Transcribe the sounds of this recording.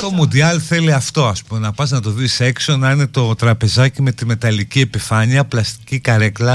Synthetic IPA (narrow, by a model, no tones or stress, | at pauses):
t̪o̞mund̪iɐlθe̞liɐft̪o̞ɐspumenɐpɐznɐt̪o̞ðise̞kso̞nɐine̞t̪o̞t̪ɾɐpe̞zɐcime̞t̪ime̞t̪ɐlicie̞pifɐɲiɐplɐst̪i̥cikɐɾe̞klɐ